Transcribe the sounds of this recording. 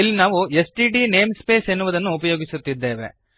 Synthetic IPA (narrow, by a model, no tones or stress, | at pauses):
ilːinaːʋuesʈiːɖine̞ːmspe̞ːse̞nːuʋud̪ɐnːuːpɐjo̞ːɡisut̪ːid̪ːe̞ːʋe̞̰